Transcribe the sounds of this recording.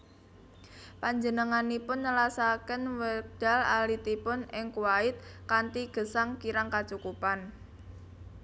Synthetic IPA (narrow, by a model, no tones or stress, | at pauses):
paɲd͡ʒənəŋanipʊnːəlasakənwəd̪̥a̤la̰lit̪ipʊnɪŋkuwaɪt̪̚kant̪iɡ̥ə̤saŋkiɾaŋkat͡ʃukupan